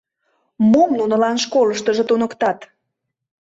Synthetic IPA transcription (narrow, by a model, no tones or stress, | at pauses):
momnunə̆lɑnʃkoləʃt̪əʒə̆t̪unəkt̪ɑt̪